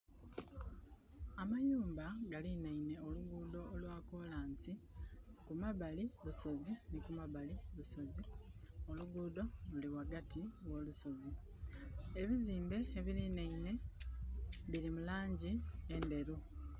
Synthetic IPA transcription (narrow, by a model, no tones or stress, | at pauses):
amajuːmbaɡalinaine̞o̞luɡuːdo̞ːlwaːko̞ːlaːnsikumaβaliluso̞zinikumaβaliluso̞zio̞luɡuːdo̞luliwaɡatʰiwo̞ːluso̞zi | eβiziːmbe̞ːβilineine̞ | βiɾimulaːɲɟiende̞ɾu